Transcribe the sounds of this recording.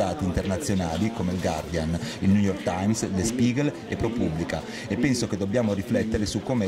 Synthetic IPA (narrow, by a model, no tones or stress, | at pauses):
aːt̪int̪ernat̪sːjonaːlikomelɡard̪ianilnujɔrkt̪ajmslespiːɡel | epːɾopubːlika | epːɛnsoked̪ːobːjaːmoɾiflɛt̪ːeɾesukːoːme